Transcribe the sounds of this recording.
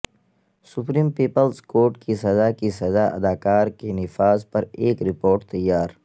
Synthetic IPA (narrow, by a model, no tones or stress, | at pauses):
sʊpɾiːmpiːpəlzkoːɾʈkisɐzakisɐzaʔɐ̰d̪aːkaːɾkenɪfaːzpɐɾeːkɾɪpoːɾʈt̪ɐjːaːɾ